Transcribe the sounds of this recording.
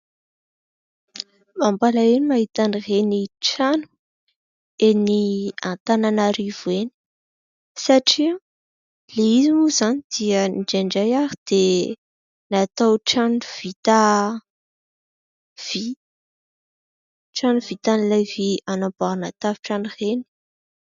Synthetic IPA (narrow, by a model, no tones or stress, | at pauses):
mambalaenimaɦit̪anireniʈ͡ʂanu̥ | eniant̪ananaɾivueni̥ | saʈ͡ʂi | leizimuzanid̪̥iəniɖ͡ʐeɳɖ͡ʐajaɾid̪̥e | nat̪awʈ͡ʂanuv̥it̪a | v̥i | ʈ͡ʂanuv̥it̪anlavianabaanat̪aviʈ͡ʂanureni̥